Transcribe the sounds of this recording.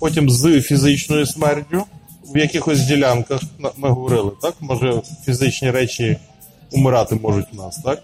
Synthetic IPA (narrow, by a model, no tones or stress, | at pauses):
pɔtʲimzɨfʲizɪt͡ʃnɔjʊsmɛrtʲʊwjɐkɪxɔsʲdʲilʲankɐxmɪɦɔʋɔɾɪlˠɪt̪ɑkmɔʒɛfʲizɪt͡ʃnʲiɾɛt͡ʃi | ʊmɪɾɑt̪ɪmɔʒʊtʲwnɑst̪ɑk